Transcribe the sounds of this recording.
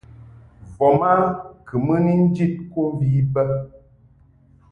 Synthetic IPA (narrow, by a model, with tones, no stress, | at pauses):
vɔ˨ma˦kɨ˨mə˦ni˦n̩˦d͡ʒi˦t̚ko˦m˦vi˨˦bə˦